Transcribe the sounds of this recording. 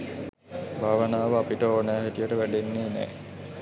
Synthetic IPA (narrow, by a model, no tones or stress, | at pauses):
bʱaːʋənaːʋəapiʈəoːnəjaɦætijəʈəʋæɖenːeːnɛ̰ː